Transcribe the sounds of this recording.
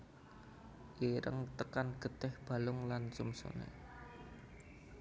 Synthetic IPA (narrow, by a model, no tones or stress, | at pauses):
ʔiɾə̰ŋt̪əkanɡ̥ə̤t̪ɪhb̥a̤lʊŋlansumsṵnḛ